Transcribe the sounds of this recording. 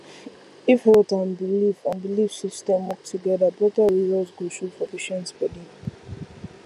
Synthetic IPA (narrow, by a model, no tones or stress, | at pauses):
ifhɛltãnbilifãnbilifsistɛ̃mwɔk̚tʰuɡɛðəbɹɔtəɹizəsɡuʃufɔpiʃə̃nspɛdĩŋ